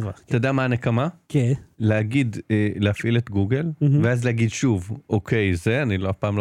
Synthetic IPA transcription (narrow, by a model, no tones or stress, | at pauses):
ated̪amaːnekamakeleaɡideleafʔilet̪ɡuɡelveazleaɡidʃuvʔokʰejzeaniloafpaːmlo